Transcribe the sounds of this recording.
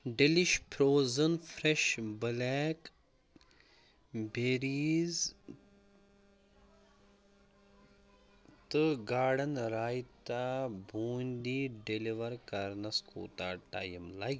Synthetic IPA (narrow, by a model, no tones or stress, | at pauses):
ɖeliʃpʰɾoːzɐnfɾeʃbɨlɛːk | beɾiːz | t̪ɨɡaːɽɐnɾaːjt̪aːbʱuːnd̪iɖeliʋɐɾkɐɾnɐskʰṵːt̪aːʈa̰ːjimlɐj